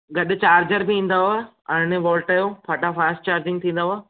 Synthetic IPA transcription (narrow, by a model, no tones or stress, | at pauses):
ɡɐɗʊ̆t͡ɕaːɾd͡ʑəɾbɪĩːn̆d̪aɦua | ɐ̃neʋɔːlʈajõpʰaːʈafaːsʈt͡ɕaːɾd͡ʑɪ̃ŋɡt̪ʰĩːn̆d̪aːɦua